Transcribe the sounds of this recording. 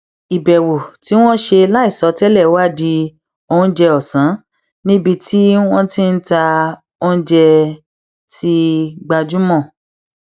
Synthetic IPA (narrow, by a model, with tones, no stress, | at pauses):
i˨bɛ˨wo˨ti˨˦w̃ɔ̃˦ʃe˧la˦i˦˨sɔ˨˧˦tɛ˦lɛ˦˨˦wa˦˨di˧ | o˧ũ˧˦d͡ʒɛ˧ɔ˨sã˨˦ | nĩ˦bi˧tʰi˦w̃ɔ̃˦tĩ˦n̩˦ta˧ | õ˦d͡ʒɛ˧ | ti˧ɡ͡ba˧d͡ʒu˦mɔ̃˦˨